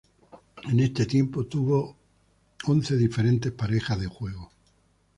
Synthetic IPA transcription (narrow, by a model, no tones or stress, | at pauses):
ene̞st̪e̞t̪jempot̪uβo | onθe̞ðife̞ɾe̞nt̪e̞hpaɾe̞xazðexwe̞ɣo